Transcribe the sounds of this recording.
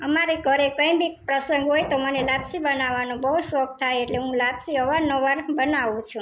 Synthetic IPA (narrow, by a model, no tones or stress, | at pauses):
əmaɾeɡʱəɾekə̃ĩbipɾəsə̃ŋɡɦojt̪omənelabsibənaʋanũbəɦusʋək̚t̪ʰajeʈleɦũlabsiɦəʋaɾnoʋaɾbənaʋũt͡ʃʰũ